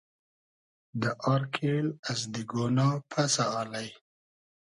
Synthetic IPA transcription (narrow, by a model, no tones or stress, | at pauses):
d̪əʔɑɾkʰelazd̪iɡonɑpʰasaɑlaj